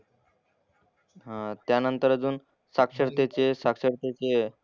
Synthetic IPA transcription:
ɦãt̪janənt̪əɾəd͡zuːn | sakʂəɾt̪et͡ɕesakʂəɾt̪et͡ɕe

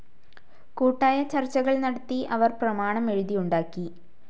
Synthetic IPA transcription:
kuːʈːaːjɐt͡ɕɐrt͡ɕːɐɣɐɭnɐɽɐt̪ːiʔɐʋɐrprɐmaːɳɐme̞ɻuðijuɳɖaːkːi

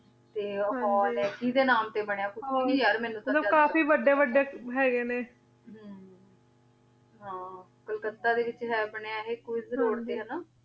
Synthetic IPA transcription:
t̪eːãɔːɾɛ̃ːkiːd̪eːnaːmt̪eːbəɳejaːkʊiaɾmɛ̃ːnũmət̪ləbkaːfiːʋəɖeːʋəɖeːɦɛːɡeːneː | ɦ | ɦãː | kəlkət̪aːd̪eːʋɪt͡ʃɦɛːbəɳejaːɦeːkoizəɾuːɾt̪eːɦənaː

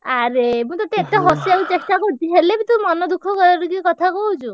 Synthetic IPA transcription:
aɾemũt̪at̪eːt̪eɦɔsiawt͡ʃesʈakɔɾt̪ʰiɦelebit̪umɔnɔd̪ukʰːɔkɔɾaɾukikɔt̪ʰakɔɦut͡ʃʰu

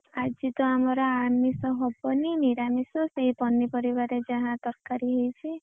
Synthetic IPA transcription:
ad͡ʒit̪ɔamɔɾɔamisɔɦɔbɔniniɾamisɔseɦipɔnːipɔɾibaɾed͡ʒaɦãt̪ɔɾkaɾiɦejt͡ʃʰi

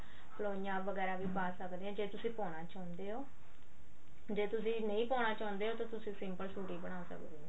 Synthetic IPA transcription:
ploːijãːʋəɡɛːɾaːʋiːpaːsəkd̪eːɦɛ̃ːd͡ʒeːt̪ʊsĩːpɔːɽ̃aːt͡ʃaːnd̪eːɦoː | d͡ʒeːt̪ʊsĩːnəĩːpɔːnaːt͡ʃãːʊnd̪eːɦoːt̪ãːt̪ʊsĩːsɪmpəlsuːʈiːbəɽ̃aːsə̰kd̪eːɦã

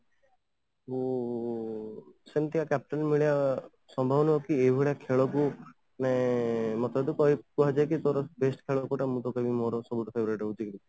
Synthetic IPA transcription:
u | sent̪iakap̚ʈɔnmiɭia | sɔmbʱɔbnɔɦɔkiebʱiɭakʰeɭɔku | nemɔt̪ad̪ukɔɦikuɦad͡ʒajkit̪oɾɔbesʈkʰeɭɔkuʈamũt̪ɔkebimoɾɔsɔbuʈɔpʰebɔɾeʈɔɦud͡ʒikɾit̪i

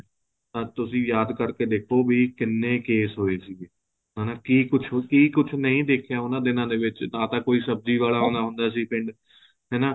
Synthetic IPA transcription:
t̪ãːt̪ʊsĩːjaːd̪kəɾkeːd̪eːkʰoːbiːkɪnːẽːkeːsɦoːeːsiːɡeː | ɦɛːnaːkiːkʊt͡ʃʰkiːkʊt͡ʃʰnəĩːd̪eːkʰjaːʊnãːd̪ɪnãːd̪eːʋɪt͡ʃnãːt̪ãːkoːiːsəb̚d͡ʒiːʋaːlaːɦoːnaːɦʊ̃nd̪aːsiːpɪ̃ɳɖ | ɦɛːnaː

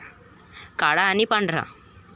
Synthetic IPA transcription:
kaɽaːnipaɳɖɾa̰

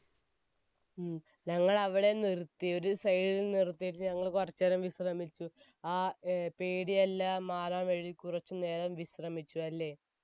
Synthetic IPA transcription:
ɲɐŋːɐɭɐʋiɽe̞nirt̪ːio̞ɾusɐjɽilnirt̪ːijʈ̬ːɨɲɐŋːɐɭkurɐt͡ɕːɐɾɐmʋiɕrɐmit͡ɕːu | aːpeːɽiɐlːɐmaːɾaːmeɻikurɐt͡ɕːɨne̞ːɾɐmʋiɕrɐmit͡ɕːuɐlːe̞ː

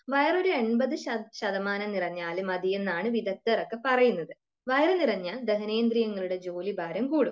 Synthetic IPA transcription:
ʋɐjɐroɾueɳbɐðɨɕɐɕɐðɐmaːnɐnirɐɲːaːlemɐd̪ije̞nːaːɳɨʋid̪ɐt̪ːerɐkːepɐrɐjunːɐðɨ | ʋɐjɐrɨnirɐɲːaːld̪eɦɐne̞ːnd̪ɾijɐŋːɐɭuɽe̞d͡ʑo̞ːlibʱaːɾɐmkuːɽum

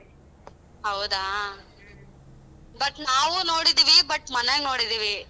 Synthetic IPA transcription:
ɦɐwd̪aː | bɐʈnaːʋunoːɽid̪iːʋibɐʈmɐneɡnoːɽid̪iːʋi

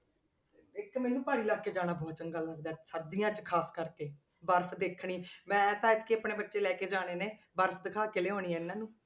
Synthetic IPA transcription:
ɪkmɛːnũːpaːɽ̃ĩːlaːɡkeːd͡ʒaːɽ̃aːbɔːt̪̚t͡ʃəŋɡaːləɡd̪aːsəɾd̪ijãːt͡ʃkʰaːskəɾkeː | bəɾpʰd̪eːkʰɽiːmɛ̃ːt̪ãːɪt̪keːəpɳeːbətːʃeːlɛːkeːd͡ʒaːɽ̃eːneː | bəɾpʰd̪ɪkʰaːkeleːɦoːɽ̃iːɛ̃ːɪnːãːnũː

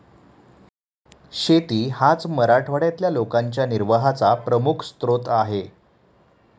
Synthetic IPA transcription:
ɕet̪iːhat͡sməɾaʈʰʋəɽjat̪ljalokaɲt͡ɕjaniɾʋəɦat͡sapɾəmukʰst̪ɾot̪aɦe

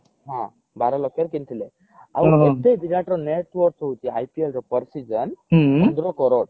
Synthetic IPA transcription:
ɦã | baɾɔlɔkeɾkint̪ʰile | a̰wet̪eb̪iɾaʈɾɔneʈʋɔɾksɦot̪ia̰jpielɾɔpəɾsid͡ʒənɔnd̪ɾɔkɔɾɔʈ

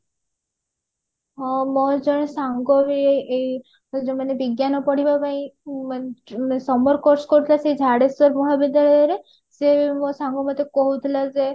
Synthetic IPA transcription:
ɦɔmɔd͡ʒɔɽ̃esaŋɡɔɾieei | d͡ʒemanebiɡjanɔpɔɽ̤ibapaĩ | sɔmɔɾkɔɾsɔ̥kɔɾut̪ʰilaseid͡ʒʱaɽesɔɾmɔɦɭabid̪aɾe | semɔsaŋɡɔmɔt̪ekɔɦut̪ʰilad͡ʒe

